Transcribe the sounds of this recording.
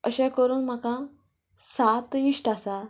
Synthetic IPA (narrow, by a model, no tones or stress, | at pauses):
əɕãkəɾuːnm̤akã | sat̪iʂʈasa